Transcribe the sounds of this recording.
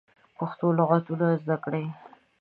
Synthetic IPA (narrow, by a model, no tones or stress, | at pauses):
poxt̪olaɣat̪unazd̪akɽej